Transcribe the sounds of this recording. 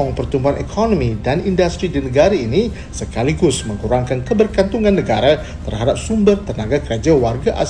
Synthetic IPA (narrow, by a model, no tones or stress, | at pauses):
ɔŋpərt̪umbuanʔɛkʰɔnɔ̃mĩdanindast̪ɾidinəɡaɾainĩ | səkaliɡʊsmə̃ŋuɾaŋkankəbərkant̪uŋãnːəɡaɾa | t̪ərhadap̚sumbərt̪ənaɡakəɾad͡ʒawarɡaʔa̰